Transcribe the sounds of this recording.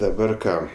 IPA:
dɐˈbɐr ˈkɑː

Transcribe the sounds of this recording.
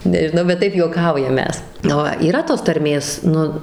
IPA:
nʲɛʒʲɪˈnɐʊ bʲɛt ˈtɐɪp juɔˈkɐʊjɛm ˈmʲɛs ˈʋɐ iːˈrɐ toːs tɐrʲˈmʲeːs ˈnʊ

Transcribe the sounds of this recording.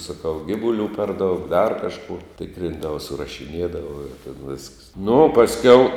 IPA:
sɐˈkɐʊ ˈɡʲɪʋʊlʲuː pʲɛr ˈdɐʊk dɐr ˈkɑːʃkuɔ ˈtʲɪkrʲɪndɐʋɐ sʊrɐʃʲɪˈnʲiɛdɐʋɐ ɪr tʲeːn ʋʲɪsks nʊ oː pɐsʲˈkʲɛʊ

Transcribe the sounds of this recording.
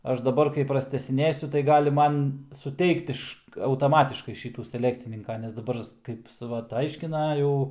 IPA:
ˈɐʃ dɐˈbɐr kɐɪ prɐsʲtʲæːsʲɪˈnʲeːsʲʊ tɐɪ ˈɡɑːlʲɪ ˈmɐn sʊˈtʲɛɪkt ɪʃ ɐʊtɐˈmɑːtʲɪʃkɐɪ ˈʃʲiːtuː sʲɛˈlʲæːkt͡sʲɪnʲɪŋkɐ nʲɛs dɐˈbɐr ˈkɐɪp sʊ ˈʋɐt ˈɐɪʃʲkʲɪnɐ ˈjɛʊ

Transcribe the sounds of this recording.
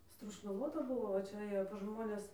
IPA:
stroːʃnɐˈʋoːtɐ ˈbʊʋoː ʋɐ ˈt͡ʃʲɛ ˈeːjoː pɐs ˈʒmoːnʲɛs

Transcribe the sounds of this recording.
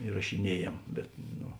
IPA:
ɪrɐʃʲɪˈnʲiɛjeːm ˈbʲɛt noː

